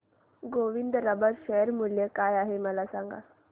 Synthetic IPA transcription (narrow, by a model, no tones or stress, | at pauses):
ɡoʋind̪əɾəbəɾʃɛjəɾmuljəkaːjaɦeməlasaŋɡa̰